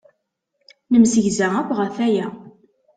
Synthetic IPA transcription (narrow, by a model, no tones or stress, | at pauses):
nəmsəʝzæækʷːʁəθæjæ